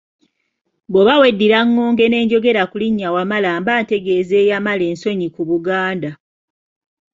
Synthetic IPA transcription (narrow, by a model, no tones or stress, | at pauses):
boβawe̞dːiɾaŋːo̞ːŋɡe̞ne̞ːɲɟo̞ɡe̞ɾakuliɲːawamalaːmbaːnte̞ɡe̞ːze̞ːjamale̞ːnso̞ɲikuβuɡaːnda